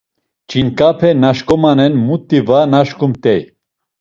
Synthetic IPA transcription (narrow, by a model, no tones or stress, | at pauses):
t͡ʃʼinkʼapʰɛnaʃkʼɔmanɛnmut̪ʼːivanaʃkumt̪ɛj